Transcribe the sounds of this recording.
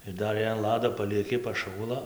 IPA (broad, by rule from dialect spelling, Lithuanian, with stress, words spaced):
ɪr ˈdɐr jɛɪ ɐn ˈlˠɑːdoː pɐlʲiɛˈkʲɪ pɐˈʃuːlˠɐ